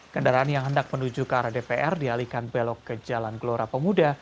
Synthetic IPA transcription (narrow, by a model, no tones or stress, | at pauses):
kəndaɾaanjaŋɦəndak̚pənud͡ʒukəaɾadepeʔɛrdialikanbelɔkːəd͡ʒalanɡloɾapəmuda